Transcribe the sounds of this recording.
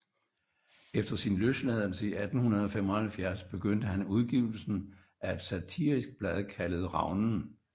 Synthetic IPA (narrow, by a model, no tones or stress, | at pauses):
efd̥ɐsinløslæðˠl̩səiʔæd̥n̩hunɐð̞ˠɒ̽femɒhælfjæɐsb̥e̝ɡ̥øn̰d̥əhænuð̞ˠɡ̥iʊl̩sn̩ | ʔæe̝d̥sæt͡sʰiɐʁisɡ̥̚b̥læðˠkʰæləð̩ˠʁɑ̈ʊnn̩